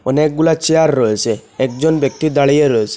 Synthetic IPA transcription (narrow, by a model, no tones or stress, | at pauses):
ɔnek̚ɡulat͡ʃejaɾːɔet͡ʃʰeekd͡ʒɔnbjɔk̚t̪id̪aɭijeɾɔesʰe̥